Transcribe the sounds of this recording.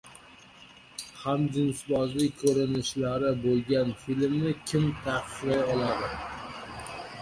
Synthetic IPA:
hamd͡ʒ̪ɪmsbɒzlɪkʰɵɾɪnɪʃlaɾɪbolˠɡʲanfilmnɪkʲʰɪmt̪ʰɑqʰɨ̥qlajɒlˠad̪ɪ

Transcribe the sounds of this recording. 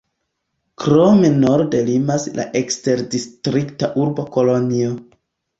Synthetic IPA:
kɾo̞meno̞ɾde̞limasla̰ʔekste̞ɾdistɾiktaʔuɾbo̞ko̞lo̞nio

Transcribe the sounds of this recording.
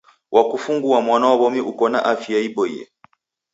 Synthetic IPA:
wʔakufuŋɡuamwanaɔβɔmiʔukɔna̰ʔafiaibɔḭɛ̰

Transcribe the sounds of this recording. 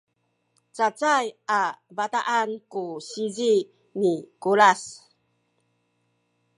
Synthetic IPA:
t͡sat͡sajavata̰ʔankuɕizi | nikulas

